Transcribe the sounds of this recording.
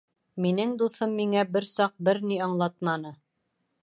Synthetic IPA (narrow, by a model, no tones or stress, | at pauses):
minɘŋd̪uθɤmːiŋæbɘɾsɑq̚bɘɾniɑɴlˠɑt̪mɑnɤ